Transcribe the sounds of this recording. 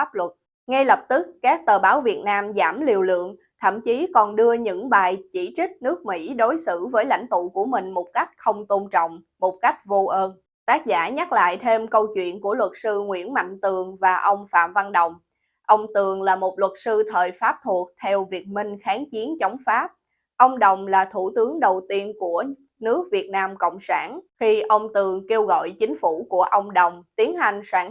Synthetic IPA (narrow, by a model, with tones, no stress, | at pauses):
a˦˥p̚lwə˨˩t̚ | ŋa˧jlə˨˩p̚t̪ɨ˦˥kːaː˦˥k̚t̪əː˨˩ɓaː˨˦wvi˨˩ət̚naː˧mzaː˧˩mli˨˩əwlɨ̰˧˨əŋ | t̪ʰə̰˧˨mt͡ɕi˨˦kɔ˨˩nɗɨ˧əɲɨ̰˧˥ŋɓaː˨˩jt͡ɕi˧˩t͡ɕï˦˥k̟̚nɨ˦˥ək̚mḭ˧˥ɗo˨˦jsɨ̰˧˥vəː˨˦jla̰˧˥jŋ̟t̪ṵ˧˨ku˧˩əmï˨˩ŋ̟mo˨˩t̚ka˦˥jk̟̚xə˧wŋ͡mt̪o˧nt͡ɕɔ̰˧˨wŋ͡m | mo˨˩t̚ka˦˥jk̚vo˧ʔəː˧n | t̪aː˦˥k̚zaː˧˩ɲa˦˥t̚la̰ː˧˨jt̪ʰe˧mkə˧wt͡ɕwḭ˧˨ənku˧˩əlwə˨˩t̚sɨ˧ŋwḭ˧˥ənma̰˧˨jŋ̟t̪ɨ˨˩əŋvaː˨˩ʔə˧wŋ͡mfa̰ː˧˨˩mva˧nɗə˨˩wŋ͡m | ʔə˧wŋ͡mt̪ɨ˨˩əŋlaː˨˩mo˨˩t̚lwə˨˩t̚sɨ˧t̪ʰəː˨˩jfaː˦˥p̚t̪ʰu˨˩ək̚t̪ʰɛ˧wvi˨˩ət̚mï˧ŋ̟xaː˨˦ŋt͡ɕi˨˦ənt͡ɕɔ˨˦wŋ͡mfaː˦˥p̚ | ʔə˧wŋ͡mɗə˨˩wŋ͡mlaː˨˩t̪ʰu˧˩t̪ɨ˨˦əŋɗə˨˩wt̪i˧ənku˧˩ə | nɨ˦˥ək̚vi˨˩ət̚naː˧mkə̰˧˨wŋ͡msaː˧˩nxi˧ʔə˧wŋ͡mt̪ɨ˨˩əŋke˧wɣɔ̰˧˨jt͡ɕï˨˦ŋ̟fu˧˩ku˧˩əʔə˧wŋ͡mɗə˨˩wŋ͡mt̪i˨˦ənɦa˨˩jŋ̟swaː˧˩n